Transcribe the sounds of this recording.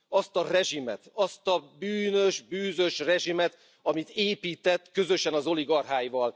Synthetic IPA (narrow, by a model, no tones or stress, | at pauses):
ɒst̪ɒrɛʒimɛt̪ɒst̪ɒbyːnø̞ʒbyːzø̞ʃrɛʒimɛt̪ | ɒmit̪eːpiːt̪ɛt̪ːkø̞zø̞ʃɛnɒzo̞liɡɒrɦaːjvɒl